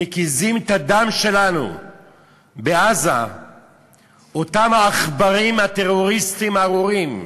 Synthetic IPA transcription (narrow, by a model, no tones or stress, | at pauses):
ekizimt̪ad̪amʃe̞lanṵ | beaza̰ | ot̪amhaːχbaʁimhat̪eʁo̞ʁist̪imaʁoʁim